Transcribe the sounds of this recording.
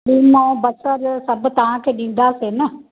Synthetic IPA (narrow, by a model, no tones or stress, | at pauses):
ɗiːmõːbɐsəɾsɐbt̪ɐʋãkʰeːɗĩːnd̪aːseːnɐ